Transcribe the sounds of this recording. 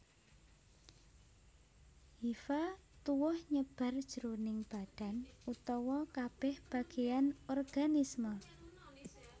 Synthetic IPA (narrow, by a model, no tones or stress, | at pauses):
hifat̪uwɔhɲəb̥a̤rd̥ʒ̥əɾonɪŋb̥a̤d̥a̤nut̪ɔwɔkab̥ɛhb̥ä̤ɡ̥ejanɔrɡ̥anismə